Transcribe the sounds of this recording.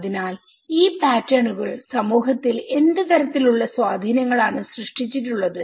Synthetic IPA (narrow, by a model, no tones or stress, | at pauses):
ðinaːl | iːpaːtːɐɳuɣɐɭsɐmuːɦɐt̪ːile̞nd̪ɨt̪ɐɾɐt̪ːiluɭːɐswaːd̪ʱinɐŋːɐɭaːɳɨsrɨʂʈit͡ɕːiʈːuɭːɐðɨ